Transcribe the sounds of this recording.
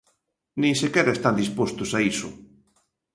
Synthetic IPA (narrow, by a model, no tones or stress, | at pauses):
nĩŋsekɛɾɐest̪and̪ispost̪ʊsaisʊ̰